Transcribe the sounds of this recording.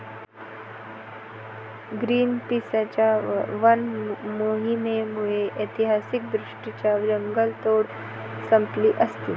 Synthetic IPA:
ɡɾiːnpiːsat͡ɕaʋɐnmoːɦimemueʔet̪iɦaːsik̚d̪ɾʊʂʈit͡ɕaʋɾəŋɡəlt̪oːɽ | sɐmpliʔɐst̪it̪

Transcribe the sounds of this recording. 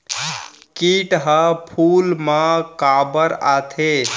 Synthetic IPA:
kiʈɦəpʰulmãkabəɾat̪ʰe

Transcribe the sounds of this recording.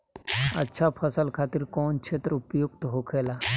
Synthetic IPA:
ɐ̰tːʃʰapʰəsəlkʰaːt̪ɪɾkɔːnkʃʰeːt̪ɾəʊpjʊk̚t̪ɦokʰeːlaː

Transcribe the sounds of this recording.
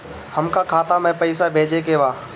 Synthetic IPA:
həmkakʰaːt̪amɛ̃pəɪsabʱeːd͡ʒekeːʋaː

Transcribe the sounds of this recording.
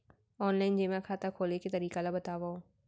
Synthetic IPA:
ɔːnlaːɪnd͡ʒemãkʰaːt̪akʰoːleket̪ɐɾiːkalabɐt̪aːʋao

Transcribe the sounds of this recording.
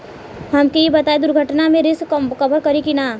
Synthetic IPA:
ɦɐmkijebɐt̪aːed̪ʊɾɡʱəʈnamẽɾɪskɐbəɾkɐɾikinaː

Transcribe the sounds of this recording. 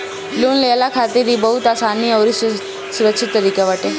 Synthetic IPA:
luːnlejlakʰat̪iɾiːbəɦut̪asaniːəʋɾis | suɾəkʂʰit̪ːəɾikeʋaʈe

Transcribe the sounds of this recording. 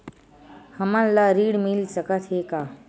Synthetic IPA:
həmanlaɾiːɽmilsəkət̪ɦeka

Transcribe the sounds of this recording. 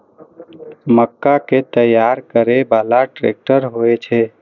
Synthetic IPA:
məkːaket̪əjaɾkəɾebalaʈɾḛk̚ʈəɾɦoet͡ʃʰɛ

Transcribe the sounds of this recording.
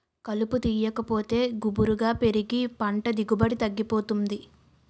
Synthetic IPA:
kɐluput̪iːjɐkɐpo̞ːt̪e̞ːɡubuɾuɡaːpe̞ɾiɡipɐɳʈɐd̪iɡubɐɽit̪ɐɡːipo̞ːt̪und̪i

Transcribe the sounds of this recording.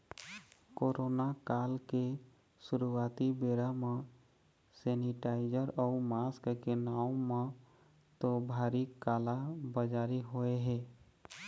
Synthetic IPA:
koːɾʔoːnakaːlke | sʊɾuwaːt̪ibeːɾamẽ | sɛːniʈaːɪd͡ʒəɾɔːmaːskkenaːʊ̃mə̃ | t̪obʱaːɾikaːlabəd͡ʒaːɾiɦoeɦɛː

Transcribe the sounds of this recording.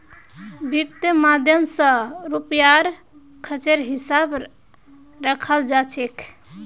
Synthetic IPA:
bit̪jəmad̪ʱjəmsə̃ɾupjaɾ | kʰət͡ʃeɾɦisab | ɾəkʰəld͡ʒat͡ʃʰekʰ

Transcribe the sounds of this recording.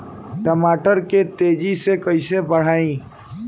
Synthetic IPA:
ʈəmaːʈəɾket̪eːd͡ʒisekəɪsebəɽ̤aːĩ

